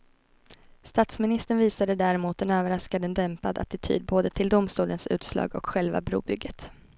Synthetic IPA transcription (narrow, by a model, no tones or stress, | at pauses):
st̪aːt̪smɪnɪst̪əɳviːsad̪əd̪æɾɛmuːt̪̚d̪ɛnøːvəɾaskad̪ənd̪ɛmpad̪a̰t̪ɪt̪ʰy̰ːd̪̚boːd̪ət̪ʰɪld̪ʊmst̪uːlənsʉ̟̰ːt̪slɑ̰ːɡɔ̰kɧɛlva̰bɾṵːbʏɡːət̪